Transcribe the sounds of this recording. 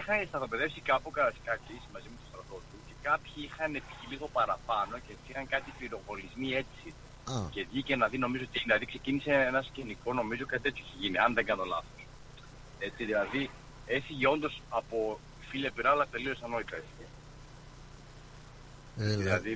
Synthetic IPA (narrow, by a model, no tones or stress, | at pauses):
ixɐnst̪ɐθo̞pe̞ðe̞fsikɐpokɐɐskɐcismɐzimet̪o̞st̪ɾɐt̪o̞t̪uce̞kɐpçiixɐne̞pi̥çiliθopɐɾɐpɐno̞ceeisixɐŋkɐt̪ifiɾo̞ɣo̞lizmie̞si | ce̞vʝicenɐðino̞mizoot̪inɐðikse̞ciniseenɐsceniko̞no̞mizokɐt̪it̪e̞t͡siiçeʝiniɐnðeɡɐnt̪olɐ̰θo̞s | e̞t͡siðilɐði | efiʝio̞nd̪o̞sɐpo̞ | ifilɐpiɾɐlɐt̪e̞liosɐno̞it̪ɐese | ðilɐði